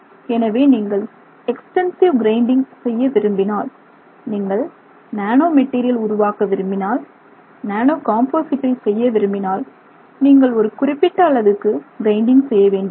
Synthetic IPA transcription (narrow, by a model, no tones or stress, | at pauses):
ɛnɐʋeːniːŋɡɐɭ | ɛksʈɛnsɪʋɡɾɐɪɳɖɪŋsɛjːɐʋɪɾɯmbɪnaːl | niːŋɡɐɭ | naːnoːmɛʈːiːɾɪjɐlʊɾʊʋaːkɐʋɪɾɯmbɪnaːl | naːnoːkaːmpoːsɪʈːɐɪsɛjːɐʋɪɾɯmbɪnaːl | niːŋɡɐɭɔɾɯkʊrɪpːɪʈːɐːɭɐðɯkːɯɡɾɐɪɳɖɪŋɡsɛjːɐʋeːɳɖɯm